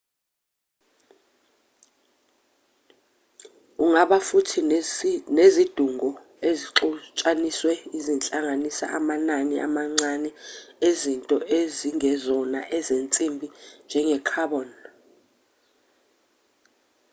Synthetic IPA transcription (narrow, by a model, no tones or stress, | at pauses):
uŋaɓafutʰi | nezid̥ʱuŋɔ | eziǁɔt͡ʃʼaniswɛizint͡ɬʼaŋanisa̰ʔamananɛʔa̰maŋ͡ǀanɛezintʼɔʔeziŋʱɛzɔna̰ʔɛzent͡sʼimbʱind͡ʒʱɛŋɛkʰaɓɔn